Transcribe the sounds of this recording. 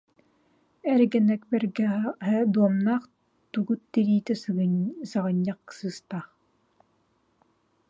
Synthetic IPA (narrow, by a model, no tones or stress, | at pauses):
ɛɾɡɛnɛkbɛɾɡɛɦɛd̪uɔmnaːχ | t̪uɡut̪ːiɾiːt̪ɛsɯɡɯsaʁɯɲːaqksɯːst̪aχ